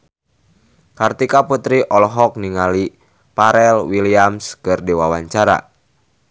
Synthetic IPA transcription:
kart̪ikaput̪ɾiʔɔlɦɔk̚niŋali | paɾɛlwiliamskɨrdiwawaɲt͡ʃaɾa̰

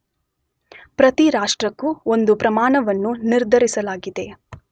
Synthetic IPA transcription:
pɾɐt̪iɾaːʂʈɾɐkːuo̞nd̪upɾɐmaːɳɐʋɐnːuniɾd̪ʱɐɾisɐlaːɡid̪e̞

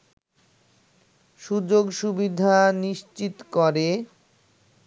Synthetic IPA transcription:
ʃud͡ʑoɡʃubid̪ʱaniʃt͡ɕit̪kɔɾe

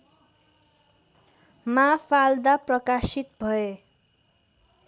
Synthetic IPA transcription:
mapʰald̪aprʌkasit̪bʱʌe

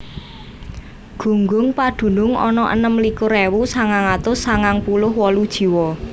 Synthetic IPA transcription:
ɡ̥ṳŋɡʊŋpad̪̥ṳnʊŋɔ̰nɔʔə̰nəmlikʊɾewusaŋaŋat̪ʊsaŋaŋpulʊhwɔlud̥ʒ̥i̤wɔ

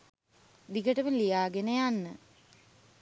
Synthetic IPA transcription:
d̪iɡəʈəmənlijaːɡenəjanːə

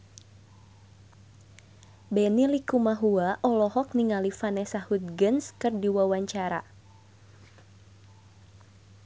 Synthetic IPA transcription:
bɛnilikumaɦuaʔɔlɔɦɔk̚niŋalifanɛsahut̪̚ɡənskɨrdiwawaɲt͡ʃaɾa̰

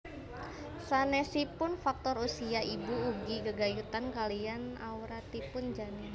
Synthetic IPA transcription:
sanɛsipʊnfak̚t̪ɔrusiaʔibuːɡiɡəɡajut̪ankalianauɾat̪ipʊnd͡ʒani

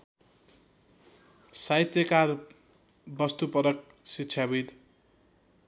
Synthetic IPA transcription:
sait̪jʌkar | bʌst̪upʌɾʌk̚ | siːt͡sʰjabid̪

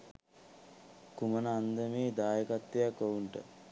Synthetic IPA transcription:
kumənəand̪əmeːd̪aːjəkat̪ːejakouɳʈə̰

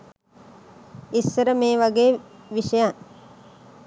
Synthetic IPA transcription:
isːəɾəmeːʋaɡeːʋiʃəjaŋ

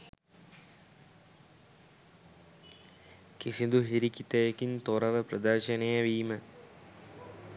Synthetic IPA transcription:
kisind̪uɦiɾikit̪əjekint̪oɾɐʋəprɐd̪ərʃɐnejəʋiːmə

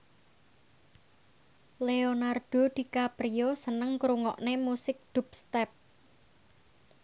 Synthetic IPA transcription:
leonard̥o̤d̪̥i̤kapɾijosənəŋkɾuŋɔ̰ʔnemusɪk̚d̪̥ṳpst̪ɛp̚

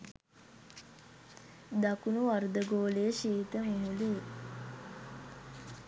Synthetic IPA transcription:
d̪akunuʋaɾd̪əɡoːleːʃiːt̪əmumuleː

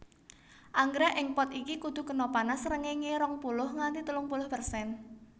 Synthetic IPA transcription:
ʔaŋɡɾɛʔɪŋpɔt̪ikikud̪̥ṳkənopanasəɾəŋeŋeɾɔŋpulʊhŋant̪it̪ulʊŋpulʊhpərsɛn

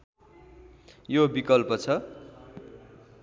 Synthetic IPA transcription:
jobikʌlpʌt͡sʰʌ

